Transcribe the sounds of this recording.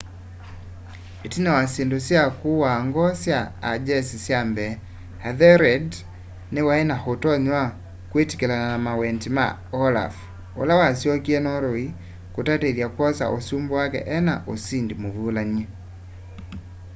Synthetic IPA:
etinɛwasendosjakuwaŋɡɔsjaːd͡ʒɛsisjambɛ | haðɛɾɛd | newaɛnahotɔɲwa | kweti̥kɛlananamawɛntima̰ | ɔla̰f | o̰lawasjɔkiɛnɔɾoi | kotateðjakwɔsa̰ʔosumbɔwakɛ̰ʔɛna̰ʔosindimovulaɲi

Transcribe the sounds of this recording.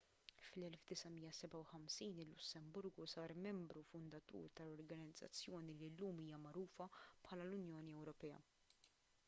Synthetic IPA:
flɛlfd̪ɪsɐmijːɐsɛbɐwħɐmsiːnɪlːʊsːɛmbʊɾɡusɐːɾmɛmbɾufʊnd̪ɐt̪ṵːɾt̪ɐlɔɾɡɐnɪd͡zːɐ̰t͡sːjɔːnililːuːmiːjɐmɐɾuːfɐpħɐːlɐlʊnjɔːniɛwɾɔpɛːɐ̰

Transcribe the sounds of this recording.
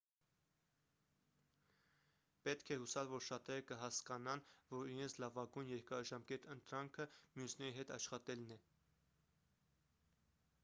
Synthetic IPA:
pɛt̪kʰɛhusɑlvɔɾʃɑt̪ɛɾəkəɦɑskɑnɑnvɔɾiɾɛnt͡sʰlɑvɑɡujnjɛɾkɑʒɑmkɛt̪ənt̪ɾɑŋkʰəmjusnɛɾiɦɛt̪ɑʃχɑt̪ɛlnɛ

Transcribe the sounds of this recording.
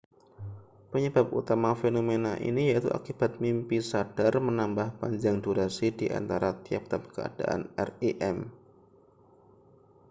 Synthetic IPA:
pəɲəb̥ap̚ṵt̪amafenomenaʔḭnijaʔit̪ṵʔa̰kib̥at̪̚mimpisad̥armənambahpaɲd͡ʒaŋduɾasidiʔa̰nt̪aɾat̪iap̚t̪ap̚kəa̰d̥a̰ʔa̰nɛreʔɛm

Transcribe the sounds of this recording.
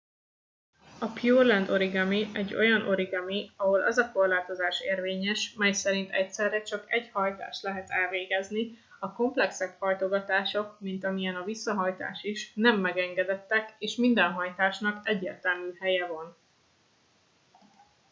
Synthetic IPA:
ɒpjuːrlɛnd̪o̞ɾiɡɒmiɛɟːo̞̰jɒnʔo̞ɾiɡɒmiɒɦo̞lɒ̰zɒko̞rlaːt̪o̞zaːʃeːrveːɲɛʃmɛjsɛɾint̪ɛcsɛrːɛt͡ʃɒkɛɟhɒjt̪a̰ːʃt̪lɛɦɛt̪ɛlveːɡɛzni | ɒko̞mplɛksɛkhɒjt̪o̞ɡɒt̪aːʃo̞kmint̪ɒmijɛnɒvisːɒɦɒjt̪a̰ːʃiʃnɛmːɛɡɛŋɡɛd̪ɛt̪ːɛkeːʃmind̪ɛnɦɒjt̪aːʃnɒkɛɟːeːrt̪ɛlmyːhɛjɛvon

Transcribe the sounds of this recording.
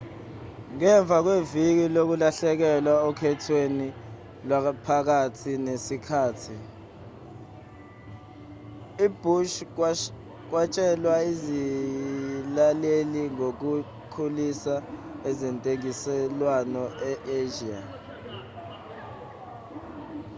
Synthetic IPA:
ŋɛɱb̪vʱak̬wevik̬ilok̬ulaɬɛk̬ɛlwaɔkʰɛtʰweni | lwapʰak̬atʰinesikʰaːtʰi | ib̥ʱuʃ̬ | k̬wat͡ʃʼɛlwaizi | laleliŋok̬u | kʰulisaɛzɛntʼeŋisɛlwanɔɛʔeʒia

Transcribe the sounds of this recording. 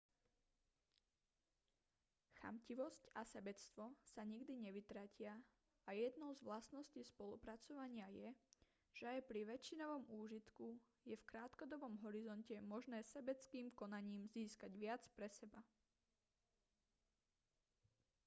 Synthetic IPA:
xa̰mciʋɔscasɛbɛt͡st̪ʋɔsaɲiɡd̪iɲɛʋit̪ɾacɪa | ajɛd̪nɔʊzʋlasnɔscispɔlṵpɾat͡sɔʋaɲɪajɛ | ʒ̥ɛajpɾiʋɛt͡ʃːinɔʋɔmuːʒit̪ku | jɛfkɾaːt̪kɔd̪ɔbɔmɦɔɾizɔncɛmɔʒnɛːsɛbɛt͡skiːmkɔnaɲiːmziːskaɟʋɪat͡spɾɛsɛba

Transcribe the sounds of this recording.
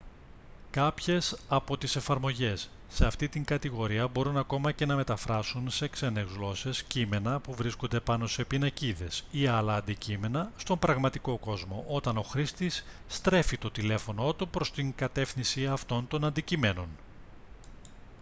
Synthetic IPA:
kɐpçe̞sɐpo̞t̪ise̞fɐɾmo̞ʝe̞sː | e̞ɐft̪it̪iŋkɐt̪iɣo̞ɾiɐbo̞ɾunɐko̞mɐce̞nɐme̞t̪ɐfɾɐsunse̞kse̞nezɣlo̞se̞scime̞nɐpuvɾiskond̪e̞pɐno̞se̞pinɐciðe̞siɐlɐːnd̪icime̞nɐst̪o̞mbɾɐɣmɐt̪iko̞ko̞zmo̞ʔo̞t̪ɐno̞xɾist̪isːt̪ɾe̞fit̪o̞t̪ile̞fo̞no̞t̪upɾo̞st̪iŋkɐt̪e̞fθinsiɐft̪o̞nt̪o̞nɐnd̪icime̞no̞n

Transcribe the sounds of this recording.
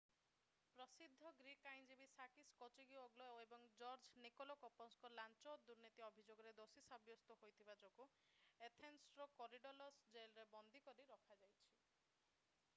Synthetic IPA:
pɾɔsid̪ʱːɔɡɾikajnd͡ʒibisakiskɔt͡ʃiɡioɡlɔebɔŋd͡ʒɔɾd͡ʒnikɔlɔkɔpɔnskɔlant͡ʃɔd̪uɾnit̪iɔbʱid͡ʒoɡɔɾed̪osisabjɔst̪ɔhojt̪ʰibad͡ʒoku | et̪ʰensɾɔkɔɾiɖɔlɔsd͡ʒelɾebɔnd̪ʱikɔɾiɾɔkʰad͡ʒajt͡ʃʰi

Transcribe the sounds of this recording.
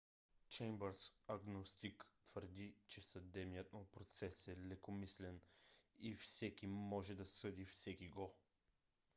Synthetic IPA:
t͡ʃɛjmbəɾsɐɡnost̪ikt̪vəɾd̪it͡ʃɛsɐd̪ɛbnijət̪mʊpɾot̪sɛsɛlɛkomislɛnifsɛkʲimɔʒɛd̪ɐsɤd̪ifsɛkiɡɔ

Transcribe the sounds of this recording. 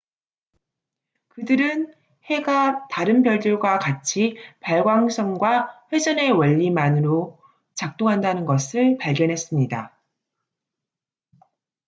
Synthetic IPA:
kɯdɯɾɯn | he̞ɡataɾɯnbjʌɭd͡ʑoɭɡwakat͡ɕʰipaɭɡwaŋs͈ʌŋɡwaɸwe̞d͡ʑʌne̞wʌʎːimanɯɾo | t͡ɕak̚t͈oŋɦandanɯnɡʌsʰɯɭpaɭɡjʌnɦe̞s͈ɯmɲida

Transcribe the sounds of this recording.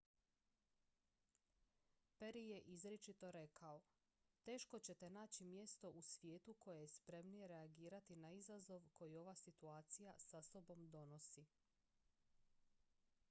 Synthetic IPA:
pe̞ɾije̞ʔizɾet͡ʃit̪o̞ɾe̞kʰao̞ | t̪e̞ːʃko̞t͡ɕe̞t̪e̞naːt͡ɕimje̞st̪o̞ʔusʋje̞ːt̪ukʰo̞jejespɾe̞mnije̞ɾe̞aɡiːɾat̪inaizazo̞ʋkʰo̞jio̞ʋasit̪uaːt̪sijasaso̞bo̞md̪o̞no̞si

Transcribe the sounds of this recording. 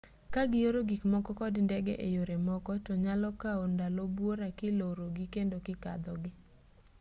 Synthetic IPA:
kaɡɪjoɾoɡikmɔkɔkɔdndɛɡɛʔejoɾemɔkɔtɔɲalɔkaondalobwoɾakɪloɾoɡikendokɪka̰d̪ɔɡɪ

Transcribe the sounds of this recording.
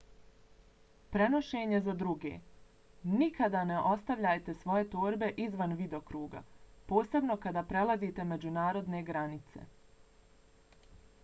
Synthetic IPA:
pɾe̞no̞ʃeːɲe̞zad̪ɾuɡḛː | nikʰad̪ane̞ʔo̞st̪aʋʎaːjt̪e̞sʋo̞je̞t̪oːɾbe̞ʔizʋanʋid̪eokɾuːɡa̰po̞ːse̞bno̞kad̪aːpɾe̞lˠazit̪e̞me̞d͡ʑunaːɾo̞d̪ne̞ɡɾanit̪sḛ

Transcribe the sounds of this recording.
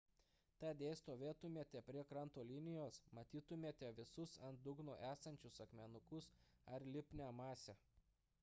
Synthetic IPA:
t̪ɑːd̪ʲeːst̪oːʋʲeːt̪ʊmʲeɛt̪ʲɛpʲɾʲiɛkɾɐnt̪oːlʲɪnʲɪjoːsmɐt̪ʲiːt̪ʊmʲeɛt̪ʲɛʋʲɪsʊsɐnt̪̚d̪ʊɡnoːʔæːsɐnʲt͡ʃʲʊsɐkmʲɛnʊkʊsɐɾlʲɪpʲnʲæːmɑːsʲɛ

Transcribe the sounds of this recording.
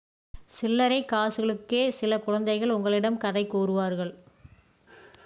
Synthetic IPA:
sɪlːɐɾɐɪkːaːsɯɣɐɭɯkːeːsɪlɐkʊɻɐnd̪ɐɪɣɐɭʊŋɡɐɭɪɽɐmkɐðɐɪkːuːɾɯʋaːɾɣɐɭ

